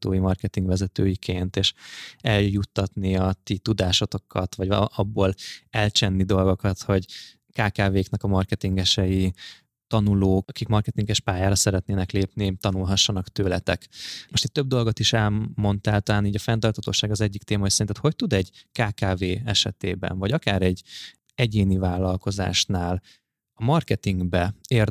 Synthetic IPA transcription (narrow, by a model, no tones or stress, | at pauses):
t̪oːjimɒrkɛt̪iŋɡʋɛzɛt̪øːjikʰeːnt̪eːʃɛljut̪ːɒt̪niɒt̪it̪ud̪aːʃot̪o̞kʰɒt̪ʋɒɟɒbːoːlɛlt͡ʃɛnːid̪o̞lɡo̞kɒt̪ho̞ɟ | kaːkaːveːknɛkɒmɒrkɛt̪iŋɡɛʃɛji | t̪ɒnuloːkɒkikmɒrkɛt̪iŋɡɛʃpaːjaːɾɒsɛɾɛt̪neːnɛkleːpnit̪ɒnulɦɒʃːɒnɒkt̪øːlɛt̪ɛkmoʃt̪it̪ːøb̚d̪o̞lɡo̞t̪iʃɛlmo̞nt̪aːlt̪ɒlaːniːɟɒfɛnt̪ɒrt̪hɒt̪o̰ːʃaːɡɒzɛɟːikt̪eːmɒisɛɾinɛt̪ʰho̞c̚t̪ud̪ɛɟkaːkaːveːɛʃɛt̪eːbɛ̰nvɒɟɒkaːɾɛɟ | ɛɟeːnivaːlːɒlko̞za̰ːʃnaːl | ɒmɒrkɛt̪iŋɡbɛeːr